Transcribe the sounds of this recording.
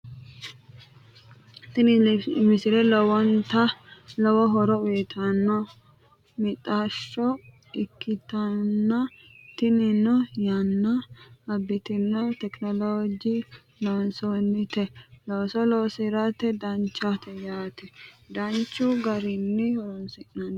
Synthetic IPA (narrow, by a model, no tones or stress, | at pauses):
t̪ɪnmɪsɪɾɛlɔwɔnt̪ɐlɔwɔɦɔɾɔwet̪ʰɐnːɔ | mɪt̪ʼaʃːɔ | ɪkːɪt̪ɐnːɐ | t̪ɪnɪnɔjɐnːɐːbɪt̪ɪnːɔt̪ɛknɔlod͡ʒɪ | lɔnsɔnːɪt̪ɛlosɔlosɪɾat̪ɛd̪ɐnt͡ʃːat̪ɛjaːt̪ɛd̪ɐnt͡ʃːʊɡɐɾɪnːɪhɔɾɔnsɪnnɐn